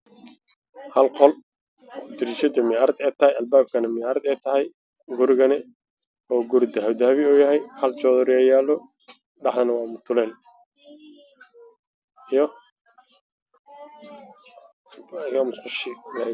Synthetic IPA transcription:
hɐlqɔl | t̪ɪɾiʃɐd̪jɔmɪaːɾɐd̪ɛːt̪ʰɐhɛjɐlbaːb̚kʰɐnɐmɪjaːɾɐd̪ɛːt̪ʰɐɦɛj | ɡʊɾɪɣɐnɛ | ɔːɡʊɾɪd̪ɐɦɐwd̪ɐhɐβɪɔːjɐɦɛjhɐlt͡ʃɔːðɔɾjɛjaːlɔ | ɖɑħd̪ɐnɐwɑːmʊt̪ʰʊlɛːn | ɪjɔmʊsqʊʃɪlɐ

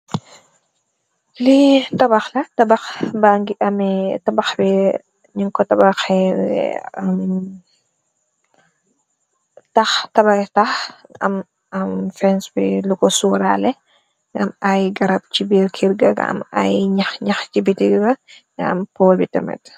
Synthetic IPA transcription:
litɐbɐxlɐtɐbɐxbaŋɡiʔɐmɛtɐbɐxbi | ɲiŋkɔtɐbaxɛ | am | taxtɐbataxɐ̰m | ɐmfɛnsbilukɔsuːɾalɛ | ŋɐmajɡɐɾɐb̚t͡ʃibiɾkʰiɾɡɐɡɐ̰ɐ̰ma̰jɲɐxɲɐxt͡ʃibitiɡɐɡɐ | ɐ̰mpɔːlbitɐmɛ̰t

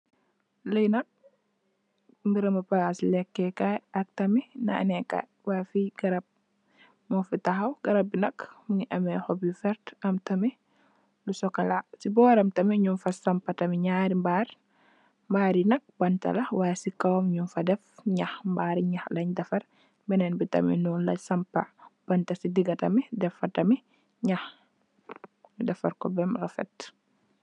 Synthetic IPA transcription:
ləjnɐk̚ | mbiɾɐmɐpasilɛkːɛkajɐk̚tɐminɐ̰nɛkɐ̰ | wafiɡɐɾɐb̚ | mɐfitɐxɐwɡ̥ɐɾɐb̚binɐkmuŋiʔɐmɛhɔbifɛɾtɐmtɐmi | lusɔkɐlasibɔːɾɐmtɐmiɲumfɐsɐmpɐtɐmiɲaːɾimbaːɾ | mbaːɾinɐk̚bɐntɐ̰lɐwasikɐwmɲumfɐdɛfɲaxmbaɾiɲɐxlɐɲdɐfɐɾ | bɛnɛnbitɐ̰mḭnɔlɐ̰sɐmpɐb̥ɐntɐsidiɡɐtɐmidɛfːɐtɐmi | ɲax | midɐfɐɾkɔbɛmrɐfɛ̰t

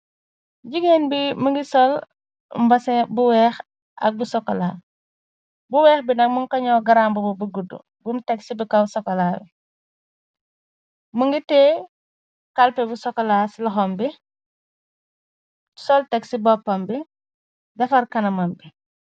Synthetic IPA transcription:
ɟiɡenbimuŋɡisɔl | mbɐsɛbuwɛːx | ɐ̰k̚busɔkːɔlaː | buwɛːxbindɐk̚muŋkɐɲɔːɡaɾaːmbububuɡudṵ | bumtɛksibikawsɔkːɐlaːbi | muŋɡitɛ | kalpɛbusɔkːɐlaːsilɔxɔmbi | sɔltɛksibɔpːɐmbi | dɐfɐɾkɐnɐmɐmbi

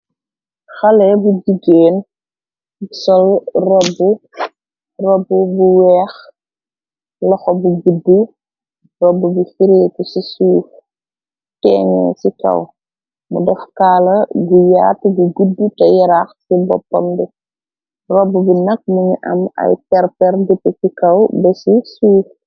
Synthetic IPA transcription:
xɐlɛbuɟiɡːeːn | busɔlrɔbːu | rɔbːubuwɛːx | lɐxɔbuɡudːu | rɔbːubifiɾeːkusisuːf | tɛːŋɛ̰sikɐ̰w | mṵdɛfkaːlɐɡujaːtuɡuɡudːutɐjɛɾaxsibɔ̰pːɐ̰mbɛ | rɔbːubinɐk̚muɲuʔɐ̰mɐ̰jpɛrpɛrdutːɛsikɐwbɛsisuːf

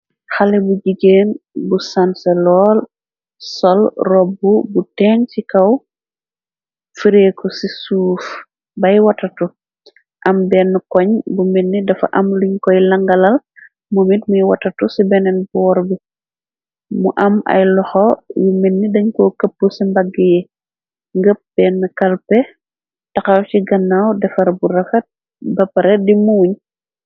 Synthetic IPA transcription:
xalɛbuɟiɡeːnbusansɛlɔːl | sɔlrɔbubutɛntikaw | fiɾekɔsisuːf | bajwatatɔ | ʔambɛnːukɔɲbuminːidɐfa̰ʔamliɲkɔjlaŋɡalal | mumitmujwɐtɐtusibɛnɛnbɔːɾbi | muʔɐmɐ̰jlɔxɔjuminːidɐɲkɔkəp̚ːusimbɐɡːəjɛ | ŋɡəp̚b̥ɛːnːukɐlpɛ | tɐkɐwt͡ʃiɡɐnːawdɛfɐɾbuɾɐfɐt̚ | bɐpɐɾɛdimuːɲ

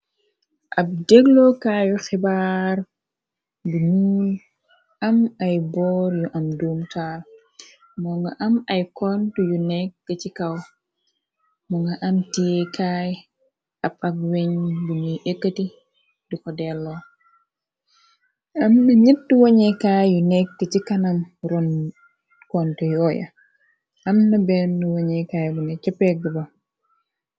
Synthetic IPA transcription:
ʔɐb̚dɛɡlɔkaːjuxibar | buɲul | ʔɐmɐjbɔːɾjuʔɐmduːmtaːl | mɔŋɡɐʔɐmɐjkɔntujunɛk̚ɡ̥ɐcikɐw | mɔŋɡɐʔɐmtijɛkaːj | ɐpɐkweɲbuɲuʔekːəti | dikɔdɛlːɔ | ɐmnɐɲitːuwoɲɛkaːjjunɛk̚ɡɐt͡ʃikɐnɐmɾun | kɔntujɔːjɐ̰ | ʔɐmnɐbɛnːuwoɲɛkaːjbunɐt͡ʃɐpːɛk̚ɡubɐ

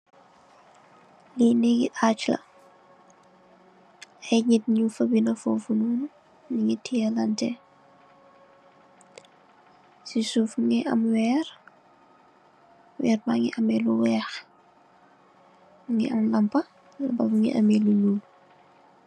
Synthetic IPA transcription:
liniɡiʔaːt͡ʃlɐ̰ | ɐjɲit̚ɲufɐbinɐfofunuːnu | niŋitʰiɐlɐntɛ | sisufŋiʔɐmwɛːɾ | wɛːɾbaŋiʔɐmɛluwɛːx | ŋiʔɐmlɐmpɐ | lɐbabuŋḭʔɐmɛluɲuːl

